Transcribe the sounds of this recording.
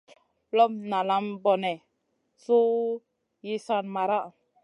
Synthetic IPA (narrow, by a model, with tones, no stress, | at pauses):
lɔ˦m̚na˨la˦mbɔ˨nɛ˨ | so˦ | ji˦sa˦nma˨ɾa˦ʔ